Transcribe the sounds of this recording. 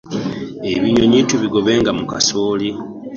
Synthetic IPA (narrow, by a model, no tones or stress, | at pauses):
eβiɲo̞ɲiːtuβiɡo̞βe̞ːŋɡamuka̰soːli